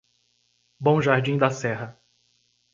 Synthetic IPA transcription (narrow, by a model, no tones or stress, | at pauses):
bõʒaɾd͡ʒĩd̪ɐsɛɦɐ